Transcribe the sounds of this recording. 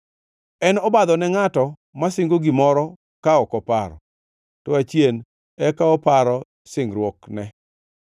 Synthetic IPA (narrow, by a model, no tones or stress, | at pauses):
ɛnɔbad̪ɔnɛŋatɔ | masɪŋɡoɡɪmɔɾɔ | kaɔkɔpaɾɔ̰ | tɔat͡ʃjen | ɛkaɔpaɾɔ | sɪŋɾwoknɛ